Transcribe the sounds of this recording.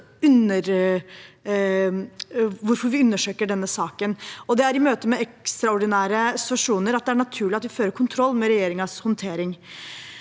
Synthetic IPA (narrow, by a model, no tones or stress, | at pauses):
ʉnəɾ | ʋʊɾfɔɾʋɪʉnːəʂøːkəɖɛnːəsɑːkənɔd̪ɛæɾɪmøːt̪əmɛɛkst̪ɾɑɔɖɪnæːɾəsɪ̥t̪ʋɑʂuːnəɾɑt̪̚d̪ɛæɳɑt̪ʰʉːɭɪɑt̪ʋɪføːɾəɾkʰʊnt̪ʰɾɔlːmɛɾɛjeːɾɪŋɑshɔnt̪ʰeːɾɪŋ